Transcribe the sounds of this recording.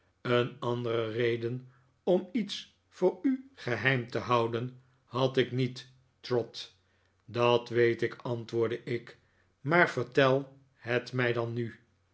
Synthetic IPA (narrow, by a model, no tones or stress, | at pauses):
ənɑndərərejdən | ɔmits | fʊːɹyχəɦɛjmtəɦɑwdən | hɑtɪknitː | rɔt | dɑtʋejtɪkʰɑntʋʊːɹdəʔɪk | maːɹvəɹtɛlˠ | hɛtmɛjdɑnːy